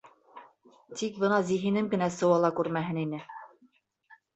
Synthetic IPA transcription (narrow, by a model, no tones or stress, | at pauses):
t̪ik̚bɤnɑziɦinɘmɡɘ̆næsɤ̆wɑlˠɑkʉɾmæɦɘninɘ